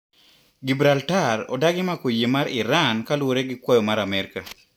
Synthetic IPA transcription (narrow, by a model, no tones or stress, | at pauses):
ɡibɾaltarɔ̰daɡɪmakojemaɾɪɾankalwoɾeɡɪkwɔjɔmaɾamɛɾka